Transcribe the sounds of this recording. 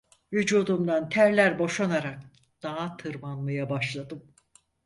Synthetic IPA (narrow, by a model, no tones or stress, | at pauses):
vyd͡ʒuːd̪umd̪ant̪ʰæɾlʲæɾbo̞ʃanaɾak̚ | d̪̥aɦat̪ʰɯɾmanmajabaʃlˠad̪ɯm